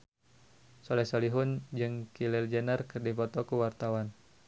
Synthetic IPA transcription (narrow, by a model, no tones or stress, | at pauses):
solɛsɔliɦʊnd͡ʒɨŋkilild͡ʒənərkɨrdifɔt̪ɔkuwart̪awan